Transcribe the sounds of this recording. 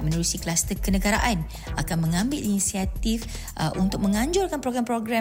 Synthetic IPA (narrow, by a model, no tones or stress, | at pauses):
mə̃nuɾusikəlast̪əkənəɡaɾaʔan | ʔakanmə̃ŋãmbɪlinisiat̪if | ʔunt̪ʊk̚mə̃ŋãɲd͡ʒʊrkanpɾoɡɾampɾoɡɾa